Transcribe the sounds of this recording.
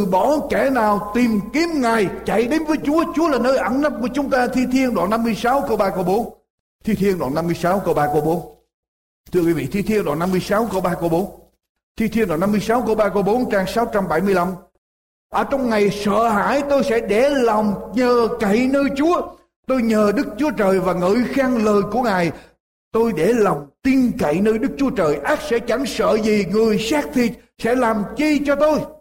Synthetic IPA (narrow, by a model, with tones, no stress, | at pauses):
ɓɔ˧˩˦kɛ˧˩naː˨˩wt̪i˨˩mki˨˦əmŋaː˨˩jt͡ɕa̰˧˨jɗe˨˦nvəː˨˦jt͡ɕu˨˦ət͡ɕu˨˦əlaː˨˩nəː˧jʔə˧˩nna˦˥p̚ku˧˩ət͡ɕʊ˨˦ŋ͡mt̪aː˧t̪ʰi˧t̪ʰi˧ənɗwa̰ː˨˩nːa˧mːɨ˧əjsaː˨˦wkə˧wɓaː˧kə˧wɓo˨˦n | t̪ʰi˧t̪ʰi˧ənɗwa̰ː˨˩na˧mːɨ˧əjsaː˨˦wkə˧wɓaː˧kə˧wɓo˨˦n | t̪ʰɨ˧əkwi˨˦vḭ˧˨t̪ʰi˧t̪ʰi˧ənɗwa̰ː˨˩na˧mːɨ˧əjsaː˨˦wkə˧wɓaː˧kə˧wɓo˨˦n | t̪ʰi˧t̪ʰi˧nɗwaː˨˩na˧mɨ˧əjsaː˨˦wkə˧wɓaː˧kə˧wɓo˨˦nt͡ɕaː˧ŋsaː˨˦wt͡ɕa˧mɓa˧˩jmɨ˧əjla˧m | ʔəː˧˩t͡ɕɔ˧wŋ͡mŋa˨˩jsə̰ː˧˨ha̰ː˧˥˨jt̪o˧jsɛ̰˧˥ɗe˧˩la˨˩wŋ͡mɲəː˨˩ka˧˨jnəː˧jt͡ɕu˨˦ə | t̪o˧jɲəː˨˩ɗɨ˦˥k̚t͡ɕu˨˦ət͡ɕəː˨˩jvaː˨˩ŋɨ̰˧˥jxaː˧ŋləː˨˩jku˧˩əŋaː˨˩j | t̪o˧jɗe˧˩lɔ˨˩wŋ͡mt̪i˧ənka̰˧˨jnəː˧jɗɨ˦˥k̚t͡ɕu˨˦ət͡ɕəː˨˩jʔaː˦˥tk̚sɛ̰˧˥t͡ɕa˧˩ŋsə̰ː˧˨zi˨˩ŋɨ˨˩əjsaː˦˥k̚t̪ʰi˨˩ | sɛ̰˧˥laː˨˩mt͡ɕi˧t͡ɕɔ˧t̪o˧j